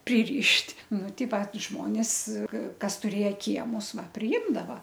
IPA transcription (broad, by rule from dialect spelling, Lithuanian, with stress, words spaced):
pʲrʲɪˈrʲɪʃʲtʲ ˈnʊ ˈtʲɪ ˈʋɐ ˈʒmoːnʲeːs ɪr ˈkɐs tʊˈrʲeːjɛ ˈkʲiɛmʊs ˈʋɐ pʲrʲɪˈɪmdɐʋɐ